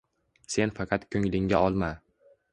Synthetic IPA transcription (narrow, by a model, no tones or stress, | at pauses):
se̞nfɑqʰɑt̪kʰɵŋlɪŋɡʲaɒlˠma